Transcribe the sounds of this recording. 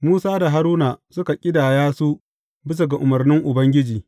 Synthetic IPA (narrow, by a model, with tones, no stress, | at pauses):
muː˦saː˦da˨ɦa˦ɾuː˦naː˨sʊ˦ka˨kʲʼɪ˦daː˨jaː˦su˦ | bɪ˦s̬a˨ɡa˨ʔʊ˨mɐ˨rnɪ˦ŋʔʊ˨bɐ˦ŋɡʲɪ˦d͡ʒiː˨